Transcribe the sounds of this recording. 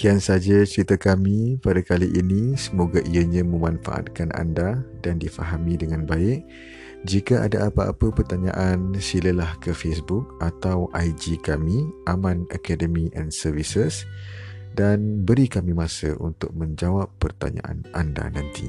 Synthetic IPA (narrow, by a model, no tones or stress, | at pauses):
kiansad͡ʒat͡ʃəɾit̪akamĩpadakaliʔinisəmoɡaʔiəɲãmə̃mãnfa̰ʔa̰t̪̚kanʔa̰ndadandifaɦamĩdəŋãnbaɪʔ̚ | d͡ʒikaʔa̰daʔapaa̰pəpərt̪aɲã̰ʔansiləlahkəfesbʊk̚at̪awʔajd͡ʒikamiʔamãnakadəmiʔɛnsərvisəs | danbəɾikamĩmãsə̰ʔṵnt̪ʊk̚mə̃ɲd͡ʒawapːərt̪a̰ɲa̰ʔa̰nʔanda̰nãnt̪ḭ